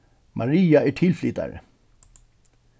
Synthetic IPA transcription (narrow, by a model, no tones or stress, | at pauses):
mʔɑɹiːɑæːʈʰɪlflɪt̪ɑ̰ɾə̰